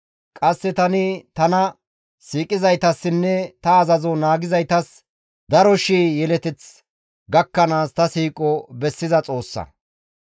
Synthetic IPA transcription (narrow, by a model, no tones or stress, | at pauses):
kʼɐsːɛt̪ɐnɪt̪ɐnɐ | siːkʼɪzɐjt̪ɐsːɪnːɛt̪ɐːzɐzɔnaːɡɪzɐjt̪ɐs | d̪ɐɾɔʃiːjɛlɛt̪ɛt͡s | ɡɐkːɐnaːst̪ɐsiːkʼɔbɛsːɪzɐt͡sʼo̞ːsːɐ̰